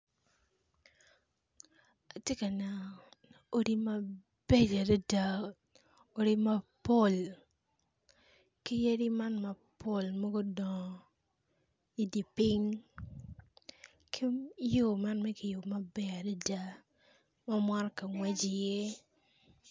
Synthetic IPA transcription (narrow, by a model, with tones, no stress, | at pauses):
a˨tje˦ka˨na˨ | o˦ɾi˦mɐ˦ | be˦d͡ʒa˨de˦da˦ | o˦ɾi˦ma˦po˦˨l | ki˦je˦ɾi˦ma˦nmɐ˨ | po˦˨lmɔ˦ɡo˦dɔ˨ | i˨di˨pɪ˦ŋ | kʰi˦jo˦˨ma˦nmɛ˦kɪ˨jo˨mɐ˦bɛ˦a˨dɛ˦da˦ | mɔ˦mwa˦ɾka˨ŋwɛ˦d͡ʒɪ˨je˦